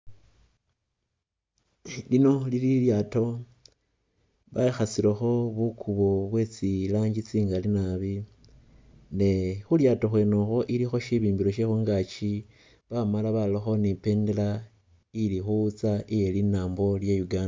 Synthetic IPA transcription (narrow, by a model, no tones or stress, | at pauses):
lino̞lililjato̞ | βaixasilexo̞βukʰuβo̞βwe̞t͡silaːɲɟit͡siːŋɡalinaβi | ne̞xuljaːto̞xwe̞ːnoxo̞ʔilixo̞ʃiβiːmbiɾo̞ʃexuːŋɡat͡ʃi | βamalaβaloxo̞nipe̞ːndela | ilixuut͡saʔije̞linaːmbo̞ljejuɡaːnda